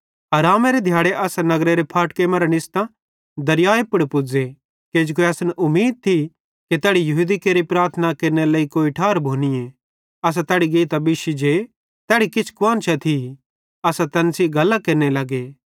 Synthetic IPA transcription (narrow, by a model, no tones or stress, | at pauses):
ɐːɾaːmeɾed̪ʱjaːɽeʔɐsanɐɡɾeɾepʰaːʈkeːmaːɾanɪst̪ã | d̪ɐɾjaːepʊɽpʊd͡ze | keːd͡ʒkoeɐsnɛʔʊmːiːd̪̚t̪ʰi | ket̪ɛːɽijɐɦud̪ikeːɾipɾaːɾt̪ʰənakeːɾnelɐːikoːiʈʰaːɾbʱoːnie | ɐs̬at̪ɛːɽiɡeːt̪ɐbɪʃid͡ʒeː | t̪ɛːɽikɪt͡ʃʰkʊaːnt͡ʃʰɛt̪ʰi | ɐsat̪ɐnsiɡɐlːakeːɾnelɐɡeː